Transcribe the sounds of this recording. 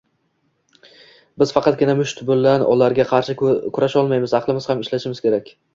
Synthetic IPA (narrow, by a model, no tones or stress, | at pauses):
bɪz̥fɑqʰɑt̪̚ɡʲɪnamʊʃt̪ʊbʊlːanʔɒ̰laɾɡʲaqʰɑɾʃɪkʲʰʊɾaʃɒlˠmajmɪzɑqlˠɪmɪz̥hamɪʃlaʃɪmɪz̥kʲʰe̞ɾakʲ